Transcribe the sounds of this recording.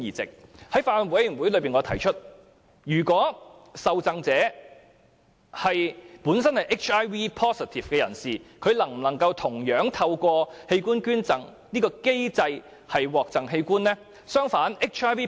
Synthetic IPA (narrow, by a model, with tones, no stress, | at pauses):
jiː˨t͡sɪ̰˨k̚hɐ˨˥jfaː˧lɔ˨nwu˨˧˥jy˨˩wu˨˥jlɵ˨˧ɥpiː˨˩nŋɔː˨˧t̪ʰɐ˨˩jt͡ʃʰɵ˥t̚ | jyː˨˩kʷɔː˨˥sɐ˨wt͡sɐ˨˧ŋt͡sɛː˨˥ | hɐ˨jpuː˨˥nsɐ˥nhɐ˨jʔɪ˥k̚t͡ʃaː˥jwiː˥pʰɔː˥si˨˩t̪ʰiː˨˩fkɛː˧jɐ̰˨˩nsiː˨kʰɵ˨˧ɥlɐ˨˩ŋm̩˨˩lɐ˨˩ŋkɐ˧wt̪ʰʊ˨˩ŋjœː˨˥ŋt̪ʰɐ˧wkʷɔː˧he˧jkuː˥nkyː˥nt͡sɐ˨ŋ | niː˥kɔː˧ke˥jt͡sɐ˧j | hɐ˨jwɔː˨k̚t͡sɐ˨ŋɦe˧jkuː˥nlɛː˥ | sœː˥ŋfaː˨˥ne˥k̚t͡ʃʰaː˥jwiː˥